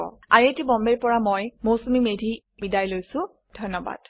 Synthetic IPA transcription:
ɔ̰aɹietibɔmbeɹpɔɹamojmosumimedʱi | bidajlojsʊ̃ | d̥ʱɔjnɔba̰d̥

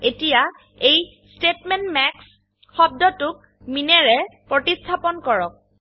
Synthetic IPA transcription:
etija | ej | stetmɛntmɛks | xɔb̚dɔtʊk̚ | minɛɹɛpɹɔtistʰapɔnkɔɹɔk̚

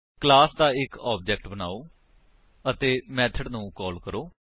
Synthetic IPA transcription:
klaːsd̪aːɪkaːb̚d͡ʒɛːkʈbəna̰ːoː | ət̪eːmɛːt̪ʰəɖnũːkɔːlkəɾoː

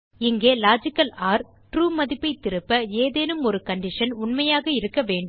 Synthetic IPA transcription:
ɪŋɡeːlaːd͡ʒɪkːɐlaːɾ | ʈɾuːmɐðɪpːɐɪt̪ːɪɾɯpːɐeːðeːnɯmɔɾɯkɐɳɖɪʂɐnʊɳmɐjaːɣɐɪɾɯkːɐʋeːɳɖɯ

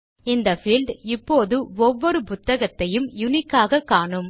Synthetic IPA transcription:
ɪnd̪ɐfiːlɖɪpːoːðɯɔʋːɔɾɯpʊt̪ːɐɣɐt̪ːɐjɯmjʊnɪkːaːɣɐkːaːɳɯm

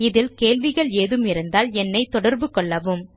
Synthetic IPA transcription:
ɪðɪlkeːlʋɪɣɐɭeːðɯmɪɾɯnd̪aːlɛnːɐɪt̪ːɔɽɐɾbɯkɔɭːɐʋɯm

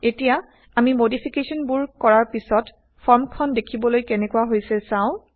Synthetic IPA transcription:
etija | amimodipʰikesɔnbuɹkɔɹaɹpisɔt | pʰɔɹmkʰɔndekʰibɔlojkɛnɛkuaɦojsɛsãʊ̃

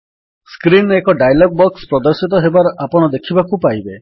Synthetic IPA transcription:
skɾinekɔɖajlɔɡ̚bɔkspɾɔd̪ɔɾsit̪ɔɦebaɾɔʔapɔɽ̃ɔd̪ekʰibakupajbe

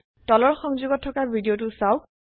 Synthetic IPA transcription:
tɔlɔɹxɔŋzuɡɔtʰːɔkabʱidijot̬ʊsaw

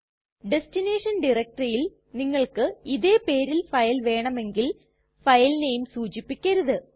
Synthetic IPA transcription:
ɖe̞stine̞ːʂɐnɖirɐk̚ʈrɐjil | niŋːɐɭkɨiðe̞ːpe̞ːɾilfɐjlʋe̞ːɳɐme̞ŋɡil | fɐjlnejumsuːt͡ɕipːikʲːɐɾuðɨ

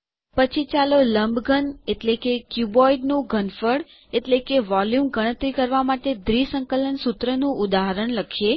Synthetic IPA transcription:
pət͡ʃʰit͡ʃaloləmbɡʱəneʈlekekjubɔiɖnũɡʱənfəɽ | eʈlekeʋɔljumɡəɽ̃ət̪ɾikəɾʋamaʈed̪ɾisə̃ŋkələnsut̪ɾənũʔʊd̪aɦəɾəɳləkʰe

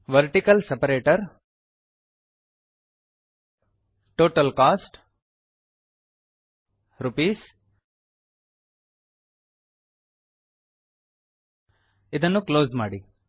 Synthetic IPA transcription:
ʋɐɾʈikɐlsɐpɐɾeːʈɐɾ | ʈoːʈɐlkaːsʈ | ɾupiːs | id̪ɐnːukloːsmaːɽi

